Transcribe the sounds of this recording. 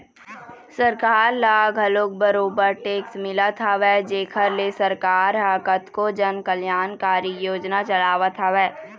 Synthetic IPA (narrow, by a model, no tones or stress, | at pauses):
sɐɾkaːɾlaːɡʱɐloːk̚bɐɾoːbəɾʈeːksmɪlat̪ʰaʋɛːd͡ʒeːkʰəɾlesəɾkaːɾɦaːkət̪kod͡ʒɐnkəljaːnkaːɾijoːd͡ʒnat͡ʃɐlaːʋat̪ʰaʋɛː